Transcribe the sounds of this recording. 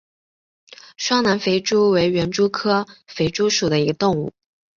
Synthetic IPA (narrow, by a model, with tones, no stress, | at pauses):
ʂwɑ˥ŋna˧˥nfe˧˥ɪʈ͡ʂu˥we˧˥ɪɥɛ˧˥nʈ͡ʂu˥kʰɤ˥fe˧˥ɪʈ͡ʂu˥ʂu˨˩d̪ə˦i˧˥ɡə˧t̪ʊ˥˧ŋu˥˩